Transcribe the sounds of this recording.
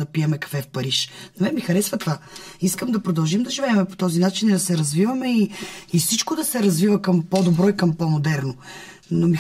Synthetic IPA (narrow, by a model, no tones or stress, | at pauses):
d̪ɐpiɛmɛkɐ̥kfɛfpɐɾiʃnɐvɛmixɐɾɛsvɐt̪ovaiskəmd̪ɐpɾod̪ɐlˠʒimd̪ɐʒivɛːmɛpo̥t̪ɔzinat͡ʃinid̪ɐsɛɾɐzvivɐmɛiifsit͡ʃkod̪ɐsɛɾɐzvivəkɐmpɔd̪obɾɔikɐmpɔmod̪ɛɾno | nomi